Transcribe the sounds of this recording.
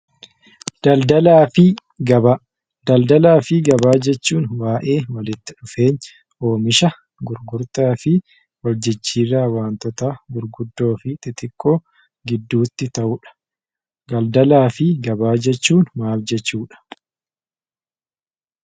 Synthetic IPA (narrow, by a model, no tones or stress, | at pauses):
d̪̥ɐld̪ɐlaːfɪ | ɡɐba | d̪ɐld̪ɐlaːfɪɡɐbaːd͡ʒɛt͡ʃːuːnwaːʔe̞ːwɐlɪt̪ːɪᶑʊfe̞ːɲ | ʔo̞ːmɪʃɐ | ɡʊɾɡʊɾt̪aːfɪ | wɐld͡ʒɪt͡ʃːiːrːaːwaːnt̪ɔt̪aːɡʊɾɡʊd̪ːo̞ːfɪt̪ʼɪt̪ɪkʼːo̞ː | ɡɪd̪ːuːt̪ːɪt̪ɐʔʊᶑɐ̥ | ɡɐld̪ɐlaːfɪɡɐbaːd͡ʒɛt͡ʃːuːnmaːfd͡ʒɛt͡ʃːuːᶑɐ̥